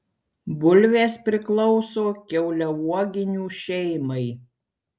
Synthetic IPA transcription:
bʊlʲʋʲeːspʲɾʲɪklˠɔʊsoːkʲɛʊlʲɛʋuɔɡʲɪnʲuːʃʲɛɪmɐɪ

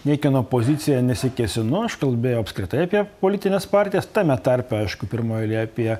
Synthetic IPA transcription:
nʲɛɪkʲɪnoːpoːzʲɪt̪sʲɪjɛnʲɛsʲɪkʲɛsʲɪnʊɐʃkɐlʲbʲeːjoʊɐpʲskɾʲɪt̪ɐɪɐpʲiɛpoːlʲiːt̪ʲɪnʲeːspɑɾʲt̪ʲɪjɛst̪ɑːmʲɛt̪ɐɾʲpʲɛɐɪʃkʊpʲɪɾmoːjɛlʲiɛɐpʲiɛ

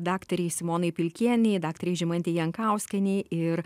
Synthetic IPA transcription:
d̪ɑːkt̪ɐɾʲɛɪsʲɪmoːnɐɪpʲɪlʲkʲiɛnʲɛɪd̪ɑːkt̪ɐɾʲɛɪʒʲɪmɐnʲt̪ʲejɛŋkɐˑʊsʲkʲɛnʲɛɪɪɾ

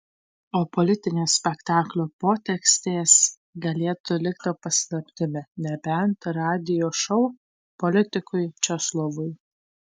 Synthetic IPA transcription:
oːpɔlʲɪt̪ʲɪnʲeːsʲpʲɛkt̪ɑːklʲoːpoːt̪ʲɛksʲt̪ʲeːs | ɡɐlʲeːt̪ʊlʲɪkt̪ʲopɐsʲlʲˠɐpʲt̪ʲɪmʲɛnʲɛbʲɛnt̪ɾɑːd̪ʲɪjoːʃɔʊ | pɔlʲɪt̪ʲɪkʊɪt͡ʃʲɛslˠɔʋʊɪ

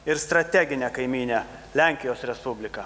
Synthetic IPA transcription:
ɪɾst̪ɾɐt̪ʲæɡʲɪnʲɛːkɐɪmʲiːnʲe | lʲæˑŋʲkʲɪjoːsɾʲɛspʊbʲlʲɪkɐ

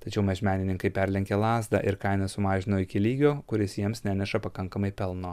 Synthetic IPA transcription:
t̪ɐt͡ʃʲɛʊmʲɛʒʲmʲæːnʲɪnʲɪŋkɐɪpʲɛɾʲlʲɛŋʲkʲeːlˠɑːzd̪ɑ̰ʔɪɾkɐɪnɐsʊmɑːʒʲɪnoːɪkʲɪlʲiːɡʲoːkʊɾʲɪsjiɛmsnʲænʲɛʃɐpɐkɐŋkɐmɐɪpʲɛlˠnoː

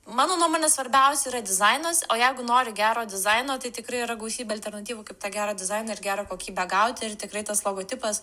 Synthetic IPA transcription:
mɑːnoːnuɔmoːnʲɛsʋɐɾʲbʲɛʊsʲɛiɾɐd̪ʲɪzɐɪnosoːjɛɪɡʊnoːɾʲɪɡʲæːɾoːd̪ʲɪzɐɪnoːt̪ɐɪt̪ʲɪkɾɐɪiɾɐɡlˠɐʊsʲiːbʲɛɐlʲt̪ʲɛɾnɐt̪ʲiːʋukɐɪpt̪ɑːɡʲæːɾoːd̪ʲɪzɐɪnɐːɪɾɡʲæːɾokoːkʲiːbʲɛɡɐʊt̪ʲɪrt̪ʲɪkɾɐɪt̪ɐslˠoːɡoːt̪ʲɪpɐs

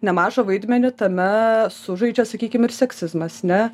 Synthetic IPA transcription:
nʲɛmɑːʒoʋɐɪd̪ʲmʲɛnʲɪt̪ɐmʲɛsʊʒɐɪd͡ʒʲɛsɐkʲiːkʲɪmɪrsʲɛksʲɪzmɐsnʲɛ

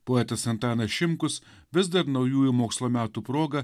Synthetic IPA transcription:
poɛt̪ɐsʲɐnt̪ɑːnɐʃʲɪmkʊs | ʋʲɪzd̪ɐɾnɒʊjuːjumoːkslˠoːmʲæːt̪uːpɾoːɡɐ

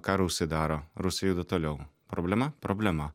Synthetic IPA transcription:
kɑːɾʊʊʃʲsʲɪd̪ɑːɾoɾʊsʲɪjuːd̪ɐt̪oːlʲɛʊpɾoːbʲlʲɛmɐpɾoːbʲlʲɛmɐ

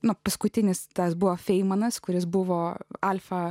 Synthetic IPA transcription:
nʊpɐskʊt̪ʲɪnʲɪst̪ɐsbʊʋoːfʲɛɪmɐnɐskʊɾʲɪsbʊʋoːɐlʲfɐ

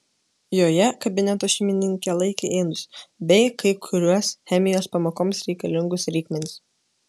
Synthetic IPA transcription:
joːjɛkɐbʲɪnʲɛt̪oːʃʲɛmʲɪnʲɪŋʲkʲɛlˠɐɪkʲeʔeːnʊsbʲɛɪkʰɐɪkʰʊɾʲuɔsxʲɛmʲɪjoːspɐmoːkoːmsɾʲɛɪkɐlʲɪŋɡʊsɾʲiːkʲmʲɛnʲɪs

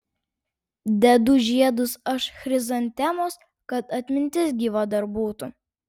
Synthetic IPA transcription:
d̪ʲɛd̪ʊʒʲiɛd̪ʊsɐʃxɾʲɪzɐnʲt̪ʲɛmoːs | kɐt̪ɐt̪ʲmʲɪnʲt̪ʲɪs̬ɡʲiʋɐd̪ɐɾbuːt̪ʊ

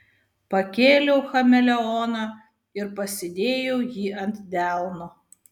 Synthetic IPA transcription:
pɐkʲeːlʲɛʊxɐmʲɛlʲɛɔːnɑː | ɪɾpɐsʲɪd̪ʲeːjɛʊjiːʔɐnʲt̪ʲd̪ʲæˑlˠno

